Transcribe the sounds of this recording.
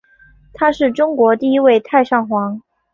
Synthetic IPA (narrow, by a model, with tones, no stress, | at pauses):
t̪ʰa˥ʂɻ̩˥˩ʈ͡ʂʊ˥ŋkwɔ˧˥t̪i˥˧i˥we˥˧ɪt̪ʰa˥˧ɪʂɑ˥˩ŋxwɑ˧˥ŋ